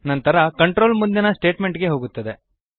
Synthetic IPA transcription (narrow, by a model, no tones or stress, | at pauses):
nɐnt̪ɐɾɐkɐɳʈɾo̞ːlmund̪inɐsʈe̞ːʈme̞ɳʈɡe̞ɦo̞ːɡut̪ːɐd̪e̞